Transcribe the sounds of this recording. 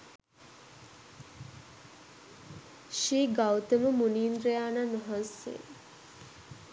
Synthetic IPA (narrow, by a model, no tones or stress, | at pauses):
ʃiːɡawt̪əʋəmuniːnd̪ɾejaːnanɐɦãnsḛ